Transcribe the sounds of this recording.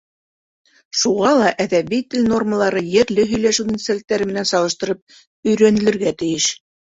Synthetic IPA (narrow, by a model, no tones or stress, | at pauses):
ʃuʁɑlˠɑʔæðæβijt̪ɘlʲno̞rməlˠɑɾɤjɘ̆ɾlɘɦɵ̆jlæʃud̪ʲit̪selt̪ːæɾɘmɘ̆nænsɑlˠɤ̆ʃt̪ɤ̆ɾɤp̚ | ɵ̆jɾænɘ̆lɘ̆ɾɡæt̪ɘ̆jɘʃ